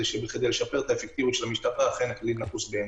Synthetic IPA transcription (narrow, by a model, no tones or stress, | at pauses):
eʃebeχed̪ejleʃapeʁt̪aefek̚t̪ivjutʃelamiʃt̪apaːχeneklidnakusbee